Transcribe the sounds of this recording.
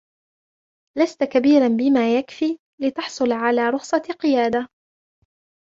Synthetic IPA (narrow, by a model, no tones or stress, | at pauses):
last̪kabiːɾanbɪmaːjakfiː | lɪt̪ɑħsˤʊlʕalaːɾˤʊxsˤɑqɨjaːd̪a